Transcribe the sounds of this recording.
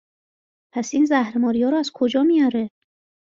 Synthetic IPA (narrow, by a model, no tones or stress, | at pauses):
pʰæsiːnzæhɾemɒːɾijɒːɾɔːæzkʰod͡ʒɒːmijɒːɾe